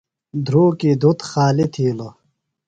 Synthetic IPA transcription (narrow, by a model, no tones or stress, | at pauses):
d̪ʱɾuːkid̪ʱut̪xaːlit̪ʰiːlo